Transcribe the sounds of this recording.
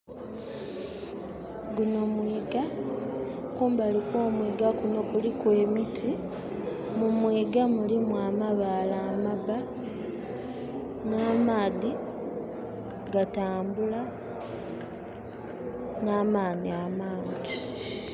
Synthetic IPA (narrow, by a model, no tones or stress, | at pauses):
ɡunomwiːɡa | kuːmbalikwo̞ːmwiːɡakuno̞kulikwe̞ːmitʰi | mumwiːɡamulimwaːmaβalaːmaβa | naːmaːði | ɡataːmbula | naːmaːniamaːɲɟi